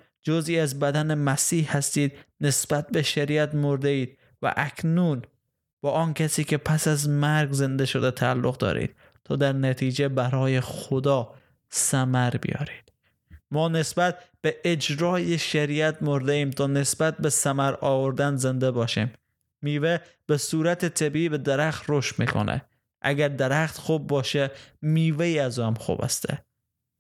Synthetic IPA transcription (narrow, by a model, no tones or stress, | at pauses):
d͡ʒoziːæzbæd̪ænemæsiːhhæst̪iːd̪ne̞sb̥æt̪̚beʃæɾiːæt̪moɾd̪eiːd̪̥̚ | væ̰ʔækʰnuːn | b̥ɒːʔɒːnkʰæsiːkʰe̞pʰæsæzmæɾɡze̞nd̪eʃod̪et̪ʰæːlːoɣd̪ɒ̰ːɾḭːd̪̥̚ | t̪ʰɒːd̪æɾnæt̪ʰiːd͡ʒebæɾɒːjexod̪ɒː | sæmæɾbḭjɒ̰ːɾi̥ːd̪̥ | mɒːne̞sbæt̪̚b̥eʔed͡ʒɾɒːjeʃæɾiæt̪moɾd̪eiːmt̪ʰɒːne̞sbæt̪̚besæmæɾɒːvoɾd̪ænze̞nd̪ebɒːʃḭːmː | iːve | b̥esuːɾæt̪ʰet̪ʰebiiːbed̪eɾæxt̪ɾoʃt̪mḭːkʰo̰nʔḛ | ʔæ̰ɡæɾd̪eɾæxt̪xuːb̚ːɒːʃemiːveiːæzuːæmxṵːbæ̰st̪ʰḛ